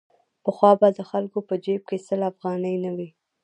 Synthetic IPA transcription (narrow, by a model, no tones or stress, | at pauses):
pəxwɑbad̪əxalkopəd͡ʒeb̚kesəlafɣɑnəjnawi